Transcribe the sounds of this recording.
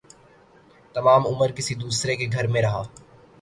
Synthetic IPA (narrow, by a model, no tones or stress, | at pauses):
t̪ɐmaːmʊməɾkɪsid̪uːsɾekeɡʱɐɾmẽɾɐɦaː